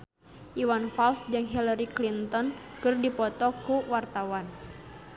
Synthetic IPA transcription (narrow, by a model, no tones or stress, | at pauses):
ʔiwanfalsd͡ʒɨŋɦilaɾiklint̪ɔnkɨrdipɔt̪ɔkuwart̪awan